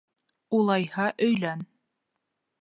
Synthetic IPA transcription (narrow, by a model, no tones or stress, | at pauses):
ulˠɑjhɑʔɵ̆jlæn